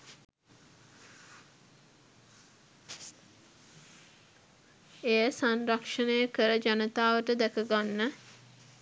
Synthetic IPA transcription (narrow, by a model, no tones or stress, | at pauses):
ejəsanrakʂənəjəkəɾəd͡ʒanət̪aːʋəʈəd̪ækəɡanːə